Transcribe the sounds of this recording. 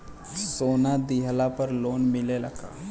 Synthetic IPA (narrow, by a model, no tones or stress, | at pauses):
soːnad̪iɦlapəɾloːnmɪlelɐɡa̰ː